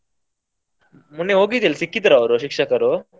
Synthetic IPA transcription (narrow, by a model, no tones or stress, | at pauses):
munːeɦoɡit̪iːlsikːit̪̬ɾaʋɾoɕikʂakəɾo